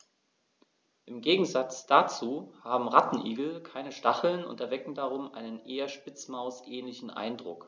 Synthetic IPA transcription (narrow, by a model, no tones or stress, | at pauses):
ʔɪmɡeːɡŋ̩zat͡sd̥at͡suːhaːbm̩ʁatn̩ʔiːɡl̩kʰaɪnəʃtaχl̩nʊ̰ntɛɐvɛkŋ̩daʁ̞ʊmʔaɪnənʔeːɐʃpɪt͡smaʊsʔɛːnlɪçn̩ʔa̰ɪndʁʊ̰k